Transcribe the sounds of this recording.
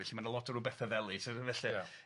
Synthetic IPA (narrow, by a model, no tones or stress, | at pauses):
ɛɬimanəlˠɔtʰəɾubɛθəðɛlˠisəvɛɬi